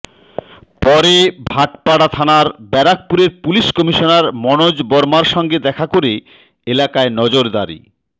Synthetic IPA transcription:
pɔɾebʱaʈpaɽat̪ʰanaɾbɛɾak̚puɾeɾpuliʃkɔmiʃonaɾmɔnod͡ʑbɔɾmaɾʃɔŋɡed̪ɛkʰakoɾe | elakaenɔd͡ʑoɾd̪aɾḭ

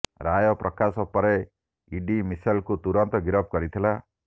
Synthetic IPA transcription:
ɾajɔpɾʔɔkasɔpɔɾe | iɖimisajlkut̪uɾɔnt̪ɔɡiɾɔb̚kɔɾit̪ʰila

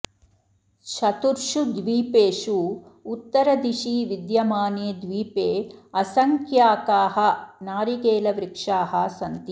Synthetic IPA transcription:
ʃɐt̪uɾʂud̪ʋiːpeːʃuut̪ːɐɾɐd̪iʃiːʋid̪jɐmaːneːd̪ʋiːpeːɐsɐŋkjaːkaːɦɐ̆naːɾiɡeːlɐʋɾikʂaːɦɐ̆sɐnt̪i

